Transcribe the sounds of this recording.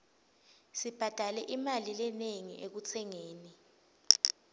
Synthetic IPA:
sib̥ʱad̥ʱalɛʔimalilɛneŋḭʔek̬ut͡sʰɛŋeːni

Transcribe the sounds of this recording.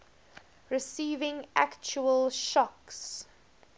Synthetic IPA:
ɹɪsiːvɪ̃ŋʔæ̰kt͡ʃuəlʃɔks

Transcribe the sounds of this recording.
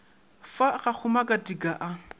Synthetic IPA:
faɣak͡xʰʊmakʼadikʼaʔa

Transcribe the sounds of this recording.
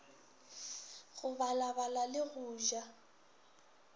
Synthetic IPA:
ɣʊβalaβalalɪɣʊːʒa

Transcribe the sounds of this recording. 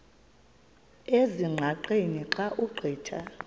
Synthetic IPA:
eziŋ͡ǃʱaǃeniǃaʔuɡ͡ǃʱɛːtʰa

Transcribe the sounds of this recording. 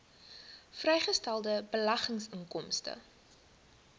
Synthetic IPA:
frɛjχəstælˠdəbəlɐχəŋsəŋkɔmstə̰

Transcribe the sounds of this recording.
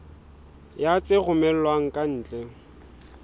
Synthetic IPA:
jat͡sʼɪɣʊmɛl̩lwaŋ̩kʼan̩ːt͡ɬʼeŋ̩

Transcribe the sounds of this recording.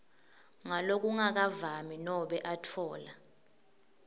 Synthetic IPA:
ŋalok̬uŋak̬avaminɔɓɛʔatʰɔːla

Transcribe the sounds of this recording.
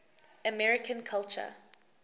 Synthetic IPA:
əmɛɹɪkʰə̃nkʰalt͡ʃə̰

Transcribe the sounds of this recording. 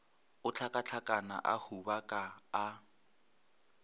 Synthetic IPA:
ʊt͡ɬʰakʼat͡ɬʰakʼana̰ʔa̰hubakʼaː

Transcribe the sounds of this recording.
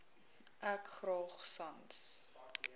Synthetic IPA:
ʔækχrɑːχsɐns

